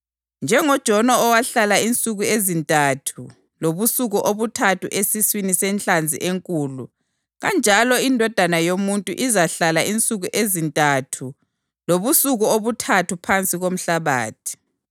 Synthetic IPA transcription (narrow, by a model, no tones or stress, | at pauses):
nd͡ʒʱɛŋɔd̥ʒ̥ʱɔnɔːwaɬalaint͡sʼuɣuezintʼatʰu | loβusuɣuʔoβutʰatuʔesiswinisɛnt͡ɬʼand͡zʱḭʔeŋkʼuːlu | ɣand͡ʒʱalɔindʱɔd̥ʱanajomuntʼṵʔizaɬalaint͡sʼuɣuʔezintʼatʰu | loβusuɣuoβutʰatupʰant͡sʼiɣom̩ɬaβa̰ːtʰi̥